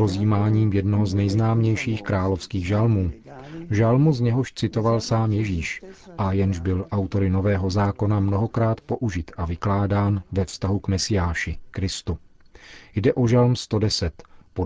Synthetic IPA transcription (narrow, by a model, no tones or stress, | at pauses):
ozjiːmaːɲiːmjɛdnoɦoznɛjznaːmɲɛjʃiːxkɾaːlo̞fskiːɣʒalmuːʒalmuzɲɛɦo̞ʃt͡sɪt̪o̞valsaːmjɛʒiːʃʔajɛnʒbɪlʔawt̪o̞ɾɪno̞vɛːɦo̞zaːko̞namno̞ɦo̞kɾaːt̪po̞ʔuʒɪt̪ʔavɪklaːdaːnvɛfst̪aɦukmɛsɪjaːʃɪkɾɪst̪u | jdɛʔoʒalmst̪o̞dɛsɛt̪po